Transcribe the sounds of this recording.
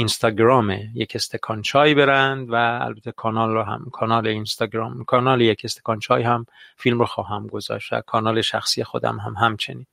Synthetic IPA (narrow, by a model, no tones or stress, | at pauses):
inst̪ɒːɡɾɒːmejekʰest̪ʰekʰɒːnt͡ʃʰɒːjbe̞ɾænd̪væ̰ːlbæt̪ʰekʰɒːnɒːlɦæ̰mkʰɒːnɒːleinst̪ɒɡɾɒːmkʰɒːnɒːlejecʰest̪e̥kɒnt͡ʃʰɒːjhæmfilmɾoxɒːɦæmɡo̞zɒ̰ːʃt̪væ̰kʰɒːnɒːleʃæxsiːjexo̞d̪æ̰mɦæmɦæmt͡ʃʰe̞̰niːn